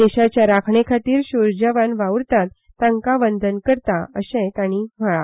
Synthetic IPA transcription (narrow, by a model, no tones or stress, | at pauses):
eɕat͡ɕjaɾakʰɳekʰat̪iːɾɕoɾd͡ʑəʋanʋaʋɾt̪at̪ːãŋkaʋənd̪ənkəɾt̪aəsɛ̃jk̪aɽ̃im̤əɭa